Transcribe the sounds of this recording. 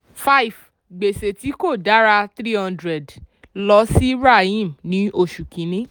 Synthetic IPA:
fa˦i˨f | ɡ͡be˨se˨ti˨˦ko˦˨da˨˦ɾa˧t̪ɾi˦hã˦ndɾɛ˨d | lɔ˦si˦ɾa˦˨ĩ˦˨mnĩ˨˦o˦˨ʃu˨kĩ˨nĩ˦

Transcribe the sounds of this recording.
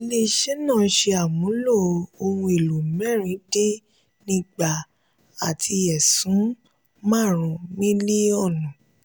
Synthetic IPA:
i˧le˧ʃɛ˦nã˦˨˦ʃe˧a˨mũ˨˦lo˦˨˧o˧hũ˧e˨lu˨mɛ˦˨ɾ̃ĩ˨˦de˦ | nĩ˦ɡ͡ba˦˨ | a˨tʰi˧ɛ˨sũ˨˦ | mã˦˨ɾ̃ũ˨mĩ˦li˦ɔ˦˨nũ˨

